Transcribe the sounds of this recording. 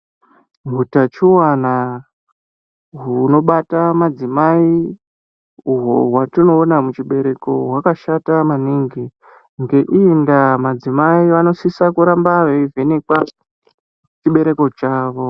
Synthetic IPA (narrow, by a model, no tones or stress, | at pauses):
ɦutat͡ʃuwana | ɦuno̞ɓatamad͡zimai | uɦo̰ɦwatino̞ːnamut͡ʃiɓe̞ɾe̞ko̞ɦwakaʃatamaniŋɡi | ŋɡe̞ʔiːndamad͡zimaiʋano̞sisakuɾambaʋeive̞nekwa | t͡ʃiɓe̞ɾe̞ko̞t͡ʃaːʋo̞